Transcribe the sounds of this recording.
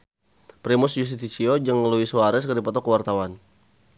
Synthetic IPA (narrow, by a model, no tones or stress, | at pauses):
pɾimʊsd͡ʒus̬it̪it͡ʃiod͡ʒaŋməluiswaɾɛskərdipɔt̪ɔkəwart̪awan